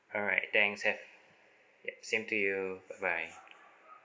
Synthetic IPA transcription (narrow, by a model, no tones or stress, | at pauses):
ɔlɹa̰ɪt̚t̪ɛ̃ŋkshɛv | jɛsĩmtʰujubaɪbaɪ